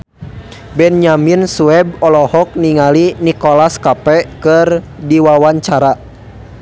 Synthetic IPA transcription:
bɛnɲaminsuɛb̚ɔlɔhɔk̚niŋalinikɔlaskapɛkɨrdiwawaɲt͡ʃaɾa

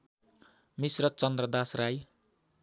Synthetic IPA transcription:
misrʌt͡sʌnd̪rʌd̪asraj

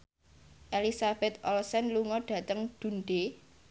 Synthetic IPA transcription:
ʔelisab̥ɛt̪̚ʔɔlsɛnluŋɔɖ̥ä̤t̪əŋɖ̪̥ṳnɖe

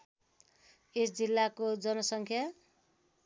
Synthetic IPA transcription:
esd͡zilːakod͡zʌnʌsʌŋkʰja

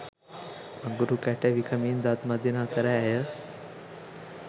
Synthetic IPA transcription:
əŋɡuɾukaʈaʋikʰəmiːnd̪at̪mad̪ʱinat̪əɾaajə

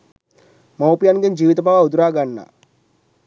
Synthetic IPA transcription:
mawpijanɡend͡ʒiːʋit̪əbʱaʋaud̪uɾaːɡanːa̰

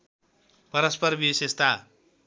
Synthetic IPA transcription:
pʌɾʌspʌrbisest̪a

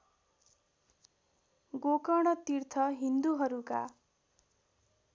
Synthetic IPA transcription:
ɡokʌɽ̃ʌt̪irt̪ʰʌɦind̪uɦʌɾuka̰

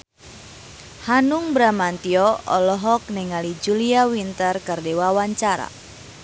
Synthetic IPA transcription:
hanuŋbɾamant̪iɔɔlɔɦɔk̚nɛŋalid͡ʒuliawint̪ərkərdewawaɲt͡ʃaɾa̰

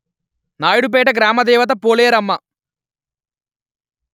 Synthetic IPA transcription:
naːjɽup̬ɛːʈɐɡɾaːmɐd̪ɛːʋɐt̪̬ɐpoːlejɐɾɐmːɐ

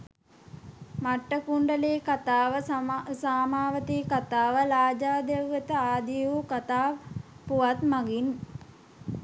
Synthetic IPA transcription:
maʈːəkuɳɖəleːkat̪aːʋəsaːmaːʋət̪iːkat̪aːʋəlaːd͡ʒaːd̪ewʋət̪əaːd̪iukat̪aː | puʋat̪maɡin

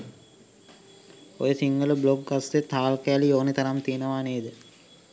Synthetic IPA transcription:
o̰jəsiŋɡələbloɡɡasːet̪ːaːlkəjalioːnit̪aɾamt̪ijənəʋaːneːd̪ə

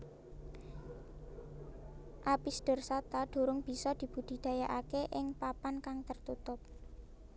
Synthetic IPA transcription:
ʔapisɖ̪̥ʊ̤rsat̪aɖ̪̥ṳɾʊŋb̥i̤sɔd̪̥i̤b̥ṳd̪̥i̤d̪̥ä̤jaʔakeʔɪŋpapankaŋt̪ərt̪ut̪ʊp̚

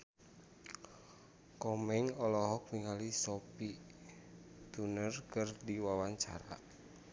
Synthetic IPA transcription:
kɔmɛŋɔlɔɦɔk̚miŋalisɔpi | t̪unərkɨrdiwawaɲt͡ʃa̰ɾa̰

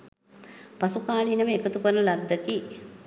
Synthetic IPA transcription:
pasukaːlinəʋəekət̪upənəlad̪ːəki

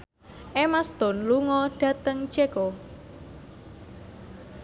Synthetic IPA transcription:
ʔemast̪ɔ̤nluŋɔɖ̥ä̤t̪əŋt͡ʃekɔ

